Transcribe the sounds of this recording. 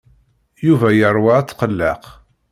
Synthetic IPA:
juvæjərˤːwaæt͡sːqəlːəq

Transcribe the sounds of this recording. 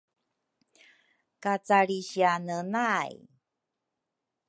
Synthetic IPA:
kat͡saɭiɕianənaj

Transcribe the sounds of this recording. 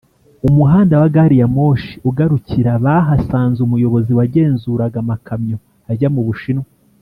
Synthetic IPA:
umuɦaːndawaɡaɾijamo̞ːʃi̥uɡaɾuciɾaβaɦasaːnzumujo̞βo̞ziwaɟe̞ːnzuːɾaɡamakʰamɲo̞ | aɟamuβuʃinwe

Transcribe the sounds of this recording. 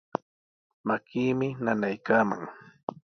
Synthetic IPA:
makiːmɪnanajkaːma̰ŋ

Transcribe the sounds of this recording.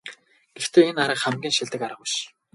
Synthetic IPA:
ɡ̥ext̪ʰeːenaɾə̆χæmɡʲiːnʃiɮt̪ɘ̆kaɾə̆qʊʃ

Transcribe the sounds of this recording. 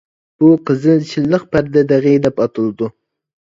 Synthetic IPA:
b̥ʊqʰəzɨt͡ʃʰɪlːɨq̚pʰæɾd̪ɛd̪ɛʁid̪ɛpɑt̪ʰɨlˠd̪ʊ

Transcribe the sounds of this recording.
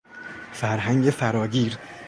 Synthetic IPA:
fæɾɦæŋɟefæɾɒːɡiːɾ

